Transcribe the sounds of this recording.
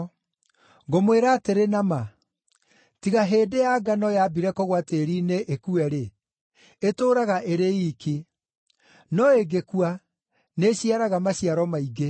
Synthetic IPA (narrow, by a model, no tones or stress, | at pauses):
ɡomweɾaːteɾenama | tiɣaɦeːdejaːɡanɔjabiɾɛkɔɣwateːɾiːneʔekuɛɾe | etoːɾaɣaʔeɾeiki | nɔeɡekua | neɕiaɾaɣamaɕiaɾɔmaiɡe